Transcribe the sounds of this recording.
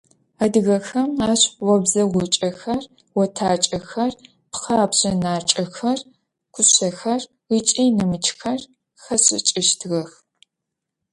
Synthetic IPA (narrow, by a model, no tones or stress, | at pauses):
ɐdɨɣɐxɐmaːɕwɔbzɐʁʷʊt͡ʃʼɐxɐr | wɔtʰaːt͡ʃʼɐxɐr | pχaːbɕɐnaːt͡ʃʼɐxɐr | ɡ̥ʷʰʊɕɐxɐr | it͡ʃʼiːnɨmɨt͡ʃʰxɐr | xɐɕʼɪ̰t͡ʃʼɪʃtʰɣɐx